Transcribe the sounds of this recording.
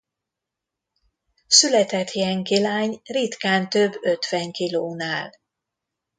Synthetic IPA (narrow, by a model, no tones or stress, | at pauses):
sylɛt̪ɛt̪ʰjɛŋkilaːɲrit̪kaːnt̪øbːø̞t̪ʋɛŋkiloːnaːl